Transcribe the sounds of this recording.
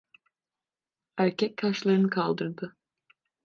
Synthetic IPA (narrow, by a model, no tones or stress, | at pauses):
æɾcʰɛc̚t̪ʰaʃlˠaɾɯnɯkʰalˠd̪ɯɾd̪ɯ